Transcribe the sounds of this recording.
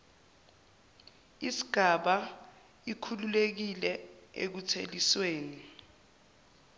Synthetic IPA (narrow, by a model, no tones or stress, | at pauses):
isi̥ɡ̥ʱaɓa | ikʰululek̬ilɛḛk̬utʰelisweːni